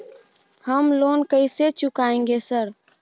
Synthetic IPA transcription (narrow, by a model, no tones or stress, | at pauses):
həmlonkəɪset͡ʃʊkaẽŋɡesəɾ